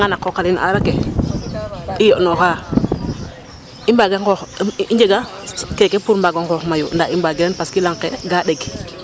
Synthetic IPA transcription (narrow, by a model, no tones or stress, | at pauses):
ŋanakːokalinʔa̰ɾake | ijonoxa | imbaɡeŋkoxiɲd͡ʒeɡa | kekepuɾmbaɡaŋkɔxmajṵndaimbaɡiɾenpaskilaŋkeɡadeɡ